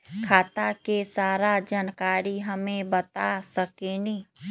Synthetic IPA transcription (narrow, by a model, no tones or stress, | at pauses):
kʰaːt̪akesaːɾad͡ʒankaːɾiɦəmẽbət̪asəkeniː